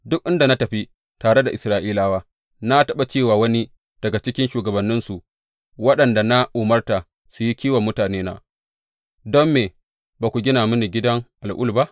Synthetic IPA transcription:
dʊ˦k̚ʔɪ˦nda˨na˦tɐ˨ɸi˦ | taː˨ɽe˦da˨ʔɪ˨sɾaː˦˨ʔiː˦laː˦waː˦ | na˦tɐ˦˨ɓa˨t͡ʃeː˦˨waː˨wɐ˦ni˦ | d̥ɐ˨ɡa˨t͡ʃɪ˦kʲɪ˦nʃuː˨ɡɐ˨bɐ˨nːɪ˦nsu˨ʔ | wɐ˦ɗɐ˨nda˨na˦ʔʊː˨mɐ˦rta˨ | su˨ji˦kʲiː˦wɐ˨mːʊ˦taː˨neː˦na̰ː˨ | dɔ˦mːeː˨ | baː˨kʷu˨ɡʲɪ˦naː˨mʊ˦ni˨ɡʲɪ˦dɐ˦ŋʔa˨lʔʊ̰˦lba˦ʔ

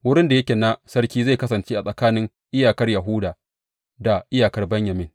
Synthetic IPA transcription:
wʊ˦ɽɪ˦nda˨jɐ˦kʲeː˨na˦sɐ˦rkʲiː˦za˦˨kɐ˦sɐ˨nt͡ʃeː˦ʔa˨sʼɐ˨kaː˦nɪ˦ŋ | ʔɪ˦jaː˨kɐ˦rjɐ˨ɦʊː˦daː˨ | da˨ʔɪ˦jaː˨kɐ˦rbɛ˦ɲjɐ˨mɪ˦ŋ

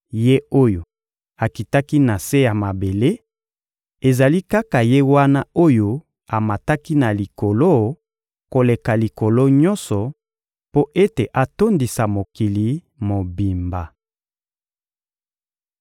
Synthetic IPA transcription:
je˦o˦jo˨ | a˨ki˨ta˦ki˦na˨se˦ja˨ma˨be˨le˦ | e˨za˨li˦ka˦ka˨je˦wa˦na˦o˦jo˦ | a˨ma˨ta˦ki˦na˨li˨ko˨lo˦ | ko˨le˨ka˨li˨ko˨lo˦ɲɔ̃˦sɔ˨ | po˦ʔe˦te˨ʔa˨to˦ndi˨sa˨mo˨ki˨li˨ | mo˨bi˨mba˨

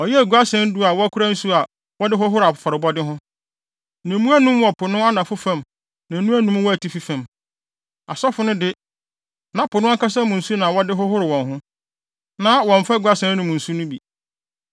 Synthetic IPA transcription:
ɔ˨jɛ˦æ˨ɡu˨˦a˦sɛ̃˦n̩˦dʊ˦a˨wɔ˦æ˦kʰu˦ɾa˦n̩˦su˦a˨ | wɔ˦dɪ˦ɦʊ˦ɦʊ˦ɾa˨fʊ̥˨˦fa˨ɾɪ˨bɔ˦dɪ˦ɦʊ̃˦ | nã˨mũ˦æ˦nũ˦m˦wɔ˨pʰʊ˨nʊ̃˦a˦nã˨fʊ˦fã˨m | nã˨nũ˦æ˦nũ˦m˦wɔ˦æ˨tʰi˦fi˦fã˨m | a˨sɔ˦fʊ˨nʊ̃˦dɪ˦ | nã˨˦pʰʊ˨nʊ̃˦a˦ka˦s̬a˦mũ˨n̩˨su˦nã˨wɔ˦dɪ˦ɦʊ˦ɦʊ˦ɾɪ˨wɔ̃˨nɦʊ̃˦ | nã˨˦wɔ̃˨ɱ̩˨fa˦˨ɡu˨a˦sɛ̃˦n˦nũ˨m˨n̩˨su˦nʊ̃˦bi˨

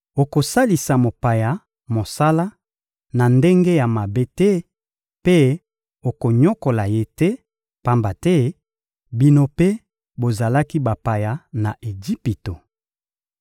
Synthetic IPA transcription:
o˨ko˨sa˦li˨sa˨mo˨pa˨ja˨ | mo˨sa˦la˦ | na˨nde˦ŋɡe˦ja˨ma˨be˦tɛ˦ | pe˦ | o˨ko˨ɲɔ˦ko˨la˨je˦tɛ˦ | pa˦mba˨tɛ˦ | bi˦no˦pe˦ | bo˨za˨la˦ki˦ba˨pa˨ja˨na˨ʔe˨d͡ʒi˦pi˨to˨

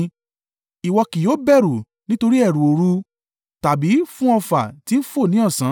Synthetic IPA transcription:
i˨wɔ˧ki˨joː˨˦bɛ˦˨ɾu˨ | nĩ˦to˧ɾi˦ɛ˦˨ɾũ˨o˨ɾu˧ | ta˨bi˨˦fũ˦ɔ˧fa˨ti˨˦n̩˦fo˦˨nĩ˨˦ɔ˦˨sã˨˦

